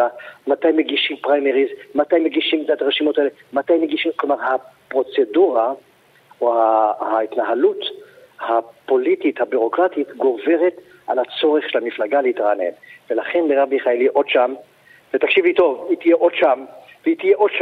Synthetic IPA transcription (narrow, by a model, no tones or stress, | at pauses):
amatajmeɡiʃimpʁajmeʁizmatajmeɡiʃimtat̪aʁeʃimotaele | matajmeɡiʃimklomaʁhapʁo̞t͡se̞duʁa | ohahaitnaɦalut̪ | hapo̞litithabuʁo̞kʁatit̪ɡo̞ve̞ʁet̪ | ʔalhat͡so̞ʁeχʃelhamiflaɡaleitʁanḛnvelaχe̞nbeʁabiχaeliʔo̞d̥ʃam | vetakʃivuito̞vit̪ijeʔo̞dʃam | veit̪ijeʔod̥ʃa